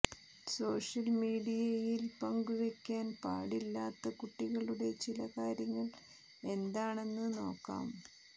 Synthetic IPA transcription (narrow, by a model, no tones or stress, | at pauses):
so̞ːʂɐlmiːɽijɐjilpɐŋɡuʋekʲːaːnpa̰ːɽilːaːt̪ːɐkuʈːiɣɐɭuɽe̞t͡ɕilɐkaːɾjɐŋːɐɭ | e̞nd̪aːɳe̞nːɨno̞ːkːa̰ːm